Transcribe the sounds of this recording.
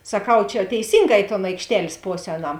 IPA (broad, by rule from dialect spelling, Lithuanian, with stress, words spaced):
sɐˈkɐʊ t͡ʃʲɛ tʲɛɪˈsʲiːŋˌɡɑː ɪ toːn ɐɪkʃʲˈtʲɛlʲsʲ ˈpoːsʲ ˈɛːˌnɐm